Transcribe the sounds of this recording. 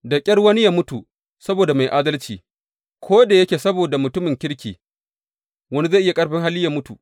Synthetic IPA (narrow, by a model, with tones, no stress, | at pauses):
dɐ˨kʲʼɐ˦rwɐ˦ni˦jaː˦mʊ˦tu˨ | sɐ˦boː˨da˨ma˨jʔaː˦dɐ˦lt͡ʃiː˨ | kʷʰoː˦deː˨jɐ˦kʲeː˨sɐ˦boː˨da˨mʊ˨tʊ˦mɪ˨ŋkʲɪ˦ɽkʲḭː˨ | wɐ˦ni˦za˦˨ʔɪ˦ja˨kʼɐ˦ɽɸɪ˦ŋɦa˦lːɪ˦jaː˦mʊ˦tṵ˨